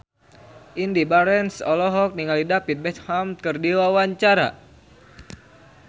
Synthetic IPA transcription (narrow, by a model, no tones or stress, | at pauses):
ʔindibaɾɛnsɔlɔɦɔk̚niŋalidapit̪̚bɛt̪hamkɨrdiwawaɲt͡ʃaɾa̰